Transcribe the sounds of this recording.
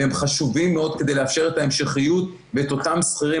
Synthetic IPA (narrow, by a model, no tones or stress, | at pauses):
emχaʃuvimːeo̞d̪ke̞d̪ejleafʃe̞ʁet̪aemʃeχijut̪ | veet̪o̞t̪amsχiʁi